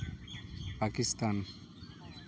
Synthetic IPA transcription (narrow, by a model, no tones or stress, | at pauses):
pakist̪an